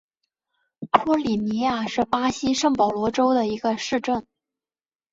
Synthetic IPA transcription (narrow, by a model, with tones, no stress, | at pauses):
pʰɔ˥li˨˩ni˧˥ja˥˩ʂɻ̩˥˩pa˥ɕi˥ʂɤ˥˩ŋpɑ˨˩ʊlwɔ˧˥ʈ͡ʂo˥ʊd̪ə˨i˧˥ɡə˧ʂɻ̩˥˧ʈ͡ʂə˥˩n